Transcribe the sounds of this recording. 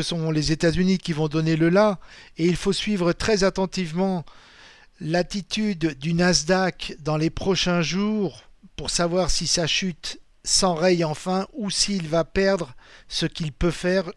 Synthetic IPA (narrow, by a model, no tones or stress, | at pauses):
əsɔ̃lezet̪azynikʲivɔ̃d̪ɔneləlaeilfosɥivʁət̪χɛzat̪ɑ̃t̪ivmɑ̃ | lat̪it̪yd̪ːynazd̪akd̪ɑ̃lepχɔʃɛ̃ʒuːʁpuʁsavwaʁsisaʃyt̪ | sɑ̃ʁɛjɑ̃fɛ̃usiːlvapɛʁd̪ʁsəkʲilpøfɛʁ